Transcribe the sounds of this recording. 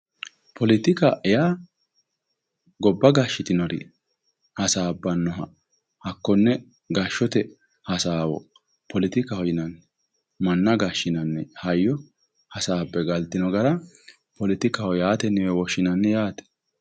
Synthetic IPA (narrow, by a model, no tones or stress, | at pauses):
pɔlɪt̪ɪkɐʔɛja | ɡɔbːɐɡaʃːɪt̪ɪnɔɾɪ̰ | hɐsaːbːɐnːɔɦɐ | hɐkːɔnːɛ | ɡaːʃːɔt̪ɛ | hɐsaːwɔ̰ | pɔlɪt̪ɪkɐhɔjɪnɐn | mɐnːɐɡaʃːɪnɐnːɛhɐjːɔ | hɐsaːbːɛɡɐlt̪ːɪnɔɡɐɾɐ | pɔlɪt̪ɪkɐhɔjaːt̪ɛnːɪwɛwɔʃːɪnɐnːɛjaːt̪ɛ̥